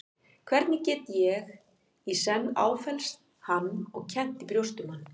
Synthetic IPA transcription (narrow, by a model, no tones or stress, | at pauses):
kʰvɛɾt̪nɪcɛːt̪jɛɣ | isɛnːa̰ːwfɛlst̪ | hanːɔɣcʰɛn̥t̪ipɾjowst̪ʏmanː